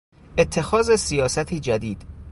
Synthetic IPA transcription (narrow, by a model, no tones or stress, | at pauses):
ʔet̪ʰːe̞xɒːzesijɒːsæt̪ʰiːd͡ʒæd̪iːd̪̥